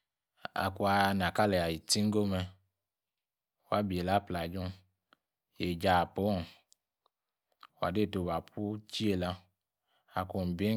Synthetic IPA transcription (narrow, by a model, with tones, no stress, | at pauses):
a̰˨ku˧a˧n˨a˨ka˦lɛ˨a˨ji˨ti˦ŋ˦ɡo˦mɛ˧˨ | a˦bi˨e˨la˦pla˨d͡ʒɔ˦ | je˨d͡ʒa˨po˦ɔ˦˨ | a˨de˦˨to˧˨ba˨pʰu˦t͡ʃi˦e˨la˧ | a˨ku˧˨m˨bi˦